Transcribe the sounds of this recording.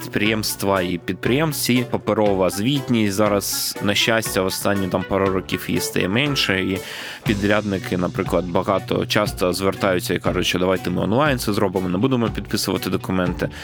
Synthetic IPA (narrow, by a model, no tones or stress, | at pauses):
t̪pɾɪjɛmst̪ʋɐipʲid̪̚pɾɪjɛmsʲipɐpeɾɔʋɐzʋʲit̪ʲnʲisʲtʲzɑɾɐznɐʃʲt͡ʃːasʲtʲɐʋɔst̪ɑnʲːit̪ɑmpɑɾʊɾɔkʲifjḭst̪ɐ̰jɛ̰mɛnʲʃɛi | pʲid̪ɾʲad̪nɪkʰɪnɐpɾɪklˠɐd̪bɐɣɑt̪ɔ̰t͡ʃɑst̪ɔzʋert̪ɑjʊt͡sʲːɐikɑʐʊt͡ʃʲʃt͡ʃːɔd̪ɐʋɑjt̪ɛmɪɔ̰nlˠɑjnt̪sɛzɾɔbɪmɔnɛbud̪emɔpʲid̪pɪsʊʋɐt̪ɪd̪ɔkʊmɛnt̪ɪ